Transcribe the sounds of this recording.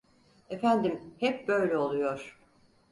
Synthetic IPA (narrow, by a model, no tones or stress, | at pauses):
efænd̪imhɛp̚bø̞jlʲɛo̞lˠujoɾ̥